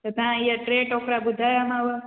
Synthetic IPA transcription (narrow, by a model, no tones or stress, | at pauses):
t̪ot̪ãijaʈɾeʈokɾabud̪ʱajamaʋə